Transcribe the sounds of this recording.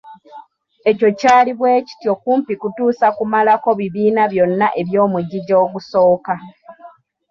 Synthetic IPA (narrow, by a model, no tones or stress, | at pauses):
e̞co̞caːliβwe̞ːci̥tjo̞kuːmpikutuːsakumalako̞βiβiːnaβjo̞nːaʔe̞βjo̞ːmuɟiɟo̞ːkuso̞ːka